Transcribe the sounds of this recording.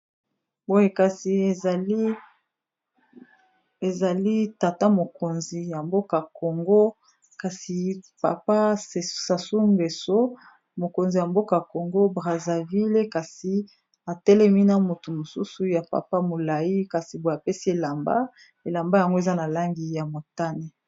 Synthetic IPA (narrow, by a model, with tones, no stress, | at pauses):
bo˦je˦ka˨si˨li˦ | e˨za˨li˦ta˨ta˦mo˨ko˨nzi˨ja˨mbo˦ka˨ko˨ŋɡo˦ | ka˨si˨pa̰˨pa˦˨sa˨su˦mɡe˨so˦ | mo˨ko˨nzi˨ja˨mbo˦ka˨ko˨ŋɡo˦bʁa˨za˨vi˦le˦ka˨si˨ | a˨tɛ˦lɛ˦mi˦na˦mo˨tu˨mo˨su˦su˨ja˨pa̰˨pa˦mo˨la˨ji˦ka˨si˨bo˨a˨pe˦si˦e˨la˨mba̰˦ | e˨la˨mba˦ja˨ŋɡo˦e˨za˦na˨la˦ŋɡi˨ja˨mo˨ta˦ne˨